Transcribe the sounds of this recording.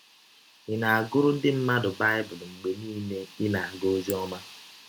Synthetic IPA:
ɪ˨na˨a˨ɡʊ˦ɾʊ˦n̩˦dɪ˦m̩˦ma˦dʊ˨ba˦ɪ˦bʊ˨lŋ͡m̩˨ɡ͡be˨niː˦ne˦ɪ˦na˨a˨ɡo˦zi˦ɔ˦ma˦

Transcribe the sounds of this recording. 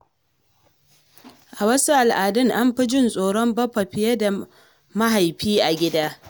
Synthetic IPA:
ʔa˨wɐ˦su˦ʔa˨lʔaː˨dɪ˦ŋʔa˦mɸɪ˦d͡ʒɪ˦nsʼoː˨ɽɔ˦mbɐ˦ɸɐ˨ɸɪ˨je˦da˨ | ma˦ɦa˨jɸiː˦ʔa˨ɡʲɪ˦daː˦

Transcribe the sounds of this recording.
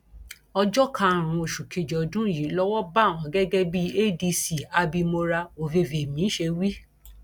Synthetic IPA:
ɔ˧d͡ʒɔ˦kã˧˨ɾ̃ũ˧o˨ʃu˨kʰe˨d͡ʒɔ˨dũ˦˨ji˨˦lɔ˦wɔ˦ba˦˨w̃ã˨˦ɡɛ˦ɡɛ˦bi˦e˦˨di˧si˨a˧bi˧mo˧ɾa˧o˨ve˧˨ve˨mĩ˨˦ʃe˧wi˦

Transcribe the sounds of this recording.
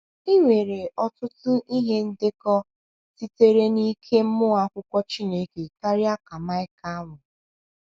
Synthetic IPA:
i˦ŋʷe˨ɾe˨ɔ˦tʊ˦tʊ˦ʔi˦ɦe˦n̩˦dɪ˦kɔ˦ | ti˦te˦ɾe˦ni˦kʰe˦m̩˦mʊ˦a˦kʷʊ˦kʷɔ˦t͡ʃi˦ne˦ke˨ka˦ɾja˦ka˨ma˦ɪ˦ka˦wʊ˨

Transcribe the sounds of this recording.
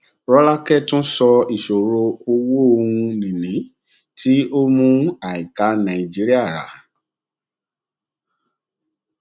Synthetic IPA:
ɾɔ˦la˦kɛ˦˨tũ˦sɔ˧i˨ʃo˨ɾo˧o˧wo˦õ˧ũ˧nĩ˨nĩ˨˦ | tʰi˦o˦mũ˧˦a˨i˨ka˨˦nã˨i˨d͡ʒi˨˦ɾi˦a˦˨ɾa̰˨

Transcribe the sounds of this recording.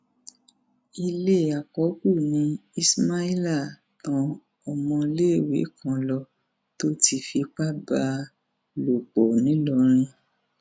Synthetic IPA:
i˧le˦˨a˨kɔ˨˦ku˦˨nĩ˧˦i˦sma˦i˦la˦˨ | kã˧ | ɔ˧mɔ̃˧le˦˨wḛ˨˦kʰã˧˦lɔ˧ | to˦tʰi˧fi˧k͡pa˦ba˨˧ | lo˨k͡pɔ˨nĩ˨˦lɔ˧ɾ̃ĩ˧

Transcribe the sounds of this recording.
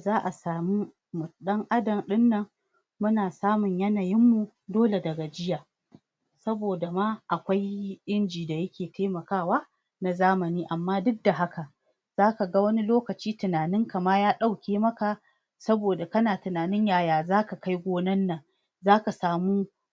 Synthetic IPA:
zaː˦ʔa˨saː˨mu˦ | mʊ˨ɗɐ˦ŋʔa˦dɐ˨mɗɪ˦nːɐ˨ŋ | mʊ˦naː˨saː˦mʊ˨ɲjɐ˦na˨jɪ˦mːu˨ | doː˦le˨dɐ˨ɡa˨d͡ʒɪ˦jaː˨ | sɐ˦boː˨da˨maː˦ʔa˨kʷa˦jʔɪ˦nd͡ʒiː˨da˨jɐ˦kʲeː˨teː˦mɐ˨kaː˦˨waː˦ | na˨zaː˦mɐ˨niː˦ʔa˨mːaː˦dʊ˦k̚da˨ɦa˦ka˨ | z̥aː˦ka˨ɡa˦wɐ˦ni˦loː˦kɐ˨t͡ʃiː˦tɪ˨naː˨nɪ˦ŋka˨maː˦jaː˦ɗa˦˨wkʲʰeː˦mɐ˦ka˨ | sɐ˦boː˨da˨kɐ˦naː˨tɪ˨naː˨nɪ˦ɲjaː˦˨jaː˨zaː˦ka˨ka˦jɡʷoː˦nɐ˦nːɐ˨ŋ | zaː˦ka˨saː˨muː˦

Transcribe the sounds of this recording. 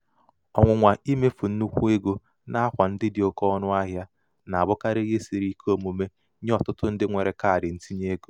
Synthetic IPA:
ɔ˨ŋʷʊ˨ŋʷa˨i˦me˦fu˨n̩˦u˦kʷu˦e˦ɡo˦ | na˦a˦kʷa˨n̩˦dɪ˦dɪ˨o˨kɔ˦nʊ˦a˦ɦja˦ | na˨a˨bʊ˦ka˦ɾɪ˦ɦe˦si˨ɾi˦ko˦mu˨me˦ | ɲ˦ɔ˨tʊ˦tʊ˦n̩˦dɪ˦ŋʷe˨ɾe˨ka˦a˨ɾɪ˨n̩˦ti˦ɲ˦e˦ɡo˨

